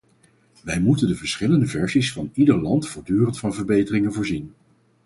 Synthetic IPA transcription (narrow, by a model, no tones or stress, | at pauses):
ʋɛjmutəndəvəɹsχɪləndəvɛɹzisfɑnidəɹlɑntfʊːɹdyːrəntfɑnvəɹbejtərɪŋənvʊːɹzin